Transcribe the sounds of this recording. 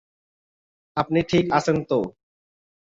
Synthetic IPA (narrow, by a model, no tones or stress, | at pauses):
ap̚niʈʰikasent̪o